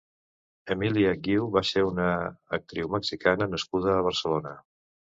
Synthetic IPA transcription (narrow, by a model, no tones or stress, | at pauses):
əmiliəɡiwβaseunəːk̚t̪ɾiwməksikanənəskuðəːβ̞əɾsəlonə